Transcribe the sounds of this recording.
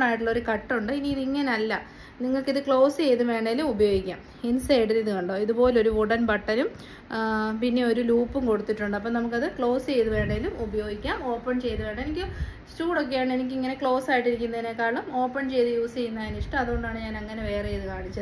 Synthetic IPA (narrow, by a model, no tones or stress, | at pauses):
ɳaːjiʈːuɭːɐo̞ɾukɐʈːuɳɖɨiniiðiŋːɐneɐlːɐ | niŋːɐɭkiðɨkɭo̞ːst͡ɕe̞jt̪uʋe̞ːɳɖɐɡilumubɐjo̞ːɡikʲːa̰ːm | insɐjɖɐliðukɐɳɖo̞ːiðupo̞ːleoɾuuɽɐnpɐʈːɐnum | pinːe̞o̞ɾuluːpːumko̞ɽut̪ːiʈːuɳɖɐp̬ːoːnɐmuk̬ːɐðɨkɭo̞ːst͡ɕe̞jt̪uʋe̞ːɳɖɐŋilumubɐjo̞ːɡikʲːaːmo̞ːpːɐɳt͡ɕe̞jt̪uʋe̞ːɳɖɐenikʲːɨ | stuːɽo̞k̬ːe̞jaːɳe̞nikʲːɨiŋːɐne̞kɭo̞ːsaːjiʈːiɾikʲːunːɐðinekːaːɭɐmo̞ːpːɐɳt͡ɕe̞jt̪ujuːst͡ɕe̞jːunːɐiniʂʈɐmɐðuɣoɳɖaːɳɨɲaːnɐŋːɐne̞ʋe̞ːrejðɨkaːɳit͡ɕːɐðɨ